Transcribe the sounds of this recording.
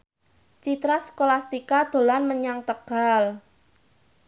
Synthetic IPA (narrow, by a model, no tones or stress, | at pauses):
t͡ʃit̪ɾaskolast̪ikad̪̥o̤lanməɲaŋt̪əɡ̥al